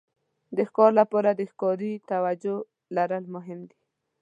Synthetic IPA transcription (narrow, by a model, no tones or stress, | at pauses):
d̪əxkɔɾlapɔɾad̪əxkɔɾit̪awad͡ʒo | laɾəlmʊɦɪmd̪i